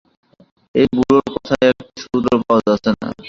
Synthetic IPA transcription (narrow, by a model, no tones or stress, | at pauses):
ebuɾoɾkɔt̪ʰaɛk̚ʈiʃud̪oɾpawad͡ʑat͡ɕʰena̰